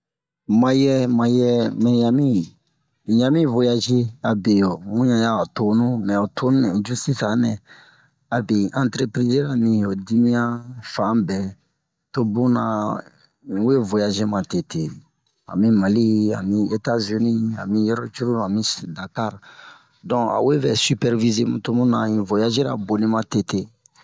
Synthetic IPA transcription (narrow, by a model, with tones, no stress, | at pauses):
mã˨jɛ˦mã˨jɛ˦mɛ̃˨ja˨mĩ˦˨ | jã˦mĩ˦vo˦ja˦ʒi˦a˨be˨jo˨mũ˦ɲã˨ja˦o˨to˨nũ˦mɛ̃˨o˨tʰo˦nũ˦nɛ̃˨d͡ʒu˦sti˦sa˨nɛ̃˨ | a˨be˨ʔã˦ntɾe˦pɾi˦ze˦ɾa˨nĩ˨o˨di˦mĩ˦jã˦fã˨˦bɛ˨ | to˦bũ˦nã˨ | u˦e˦vo˨ja˨ʒe˦mã˨te˨te˨ | ã̰˨mi˦ma˨li˦a̰˨mĩ˦e˦ta˦zy˨ni˦a̰˨mĩ˦jɔ˦ɾɔ˦t͡ʃu˦ɾu˦a˨mĩ˦sda˨ka˦ɾ | dɔ̃˦a̰˨we˦bɛ˨sy˦pɛ˦ɾvi˦ze˦mũ˨to˦mũ˦nã˨ĩ˨vo˨ja˦ʒe˦ɾa̰˨bo˨nĩ˦mã˦te˦te˦